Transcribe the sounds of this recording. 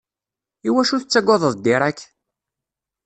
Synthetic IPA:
iwæʃuθət͡sːæɡʷɑðˤəðˤd̪ɪɾˤækː

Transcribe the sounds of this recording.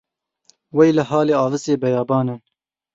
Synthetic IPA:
wɛjləɦɑːleːɑːvɨseːbɛjɑːbɑːnɨ

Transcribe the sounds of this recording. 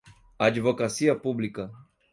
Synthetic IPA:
advɔkasiapublika

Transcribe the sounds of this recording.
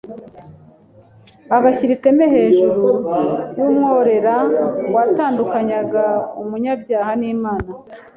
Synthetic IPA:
aɡaçiɾike̞meɦe̞ːʒuɾuwumŋo̞ːɾe̞ɾawataːndukaɲaɡaumuɲabjaːhaniːmaːna

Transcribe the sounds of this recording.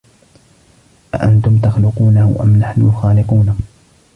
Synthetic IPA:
ʔa̰ʔant̪ʊmt̪ɑxlʊquːnahʔa̰mnaħnʊxaːlɪquːna

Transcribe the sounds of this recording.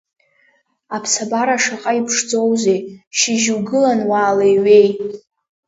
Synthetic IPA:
apʰsabaɾaʂaqʼaipʰʂd͡zo̞wze̞jʃɪʒwɡɨlanwaːlajɥe̞j

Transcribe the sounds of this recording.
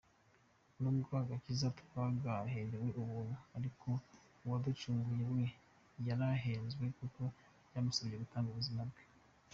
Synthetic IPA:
numuɡwaːɡacizatu̥kwaɡaɦeɾeweʔuβuːn̥uaɾikʰo̞ | wadut͡ʃuːŋɡujemwe | jaɾaɦeːnzwe̞kuko̞ | jamusoβijeɡutaːŋɡoβuzimabɡe̥

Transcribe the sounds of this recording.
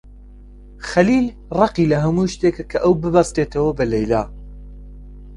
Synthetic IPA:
xɐliːl | rˤɑqilɐɦɐmuːʃt̪ekɐkʰɐʔɐwbɨbɐst̪et̪ʰɐwɐbɐlɐjla̰ː

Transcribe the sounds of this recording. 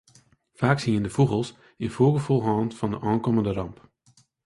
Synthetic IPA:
faːksiəndəfuɣəlˠs | ɪnfoːɣəfɔlˠɣɑːntfɑndəʔɑːnkɔməndərɑmp

